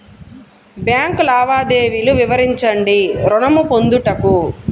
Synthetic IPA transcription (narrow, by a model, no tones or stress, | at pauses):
bjaːŋkulaːʋaːd̪eːʋiluʋiʋɐɾiɲt͡ʃɐɳɖiɾɔɳɐmupond̪uʈɐku